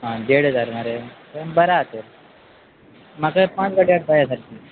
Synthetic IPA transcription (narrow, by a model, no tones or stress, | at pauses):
ɦãd̪eɽ̤əd͡zaɾmaɾe | bəɾat̪eɾ | makapãt͡sɡaʈiaʈ̚bajasaɾki